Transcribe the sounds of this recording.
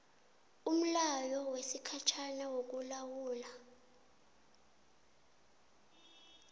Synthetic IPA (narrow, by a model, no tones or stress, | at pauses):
um̩lajɔwesikʰat͡ʃʰanɛwok̬ulawuːla